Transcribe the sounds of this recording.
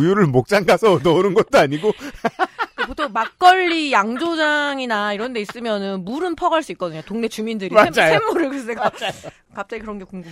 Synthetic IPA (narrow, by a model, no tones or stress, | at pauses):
juɾɯɭmok̚t͡ɕ͈aŋɡasʰʌnʌnɯnɡʌt̚t͈oaɲiɡo | kpotʰoŋmak̚k͈ʌʎːijaŋd͡ʑod͡ʑaŋinaiɾʌnde̞is͈ɯmjʌnɯnmuɾɯnpʰʌɡaɭs͈uik͈ʌdɯɲotoŋne̞t͡ɕumindɯɾiad͡ʑajoemmoɾɯɭkɯs͈eka | kap̚t͡ɕ͈aɡikɯɾʌnɡe̞koŋɡum